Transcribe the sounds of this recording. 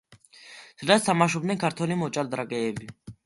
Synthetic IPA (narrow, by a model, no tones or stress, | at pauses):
sd̪ast̪ʰamaʃɔbnɛnkʰaɾt̪ʰɔlimɔt͡ʃʼald̪ɾaɡɛːbi